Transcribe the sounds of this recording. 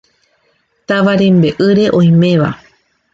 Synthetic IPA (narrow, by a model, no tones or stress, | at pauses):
t̪aʋaɾẽ̞mbe̞ʔɨɾe̞ʔõ̞j̃mẽ̞ʋa̰